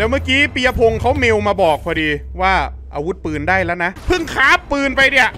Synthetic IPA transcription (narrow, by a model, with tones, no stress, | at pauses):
lɛː˦˥wma˥˩kiː˦˥pi˧ja˧pʰo˧ŋkʰa˦˥wme˧wmaː˧bɔː˨˩k̚pʰɔː˧diː˧waː˥˩ | ʔaː˧wu˦˥t̪̚pɯː˨˧ndaː˥˩jlɛ˦˥wna˦˥ʔpʰɯ˥˩ŋkʰaː˦˥pːɯː˧npa˧jdi˧˩ɐʔ